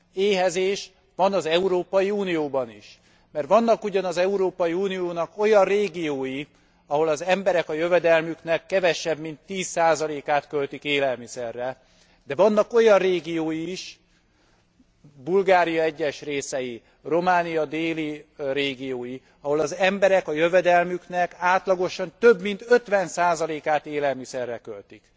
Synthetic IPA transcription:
eːɦɛzeːʃ | ʋɒnɒzɛuɾoːpɒjiuːnijoːbɒniʃ | mɛrt̪ʋɒnːɒkuɟɒnɒzɛuɾoːpɒjiuːnijoːnɒko̞jɒnreːɡijoːji | ɒɦo̞lɒzɛmbɛɾɛkɒjøvɛd̪ɛlmykn̪ɛkːɛvɛʃɛbmint̪ːiːsːaːzɒleːkaːt̪kølt̪ikeːlɛlmisɛrːɛ | d̪ɛvɒnːɒko̞jɒrreːɡijoːjiːʃ | bulɡaːɾijɒɛɟːɛʃreːsɛji | ro̞maːnijɒd̪eːliɾeːɡijoːji | ɒɦo̞lɒzɛmbɛɾɛkɒjøvɛd̪ɛlmyknɛkaːt̪lɒɡo̞ʃɒnt̪øbmint̪ø̞t̪ʋɛnsaːzɒleːkaːt̪eːlɛlmisɛrːɛkølt̪ik

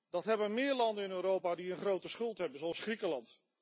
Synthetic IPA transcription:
d̥ɑtɦɛbənmɪːɹlɑndənɪnøːɾowpaːdiənχrowtəsχɵlˠtɦɛbənzoɑsχrikəlɑnt

